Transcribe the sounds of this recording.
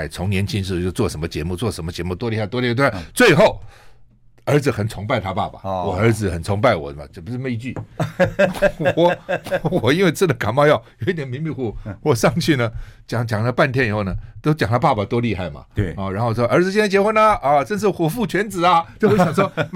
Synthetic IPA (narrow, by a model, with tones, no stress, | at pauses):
ɪt͡sʰʊ˧˥ŋnjɛ˧˥nt͡ɕʰi˥nʂ̬̩˥˧˩t͡ɕjo˥˧ʊt͡swɔ˥˩ʂə˧˥mə˧t͡ɕjɛ˧˥mu˥˧t͡swɔ˥˩ʂə˧˥mə˧t͡ɕjɛ˧˥mu˥˩t̪wɔ˥li˥˧xa˥˧ɪt̪wli˥˧˥t͡swe˥˧ɪxo˥˩ʊ | ə˞˧˥d͡zɹ̩˨˩xə˨˩nt͡sʰʊ˧˥ŋpa˥˧ɪt̪ʰa˥pa̰˥˩pa̰˩wɔ˨˩ə˞˧˥d͡zɹ̩˨˩xə˨˩nt͡sʰʊ˧˥ŋp̬a˥˩ɪwɔ̰˨˩mɐ̰˨˧˩pu˧˥ʂ̩˥˧me˥˧i˧t͡ɕy˥˩ | wɔ˨˦wɔ˨˩i˥nwe˥˧ɪt͡sʰɹ̩˥˩d̪ə˨˩ka˨˩nmɑ˥˧ʊjɑ˥˩ʊjo˨˧ʊi˥˩t̪jɛ˨˩nmi˧˥ŋmi˥˩wɔ˨˧˩xwɔ˨˩ʂɑ˥˧ŋt͡ɕʰy˥˩nə˩t͡ɕjɑ˨˩˦ŋt͡ɕjɑ˨˩ŋlə˧˦pa˥˩nt̪ʰjɛ˥ni˨˩xo˥˩ʊnə˨˩t̪o˥ʊt͡ɕjɑ˨˩ŋt̪ʰa˥pa˥˧pa˨˩t̪wɔ˥li˥˧xa˥˩ɪma̰˩ɔ˥˧˩ɻnxo˥˧˥ɔ˥˧ə˞˧˥t͡sd͡zɹ̩˨t͡ɕ̬ɛ˥˧na˥˩t͡ɕjɛ˧˥xwə˥˩nə˨˩ʈ͡ʂə˥˧nʂ̬ɻ̩˥˩xwɔ˨˩fu˥˩t͡ɕʰɥɛ˧˥nt͡sɹ̩˨˩ɐ˧t͡ɕo˥˩ʊ˧wɕɑ˨˩ʂ̬ɔ˥